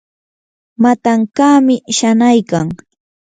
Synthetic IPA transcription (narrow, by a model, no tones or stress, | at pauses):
mat̪aŋkaːmɪʃanajkaŋ